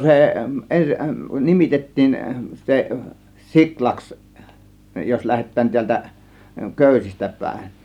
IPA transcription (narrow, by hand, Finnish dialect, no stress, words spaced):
se en nimitetːiːn se siklɑks jos læhetˑæːn tiæltæ køˑysistæ pæˑe̝n